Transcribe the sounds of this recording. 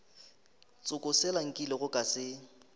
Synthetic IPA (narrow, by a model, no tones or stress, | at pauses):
t͡sʼʊkʼʊsɛlaŋ̩kʼilɪɣʊkʼasɪ